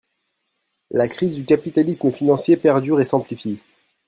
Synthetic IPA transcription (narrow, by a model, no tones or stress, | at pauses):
lakχizd̪ykʲapit̪alisməfinɑ̃sjepɛʁd̪yʁesɛ̃plifje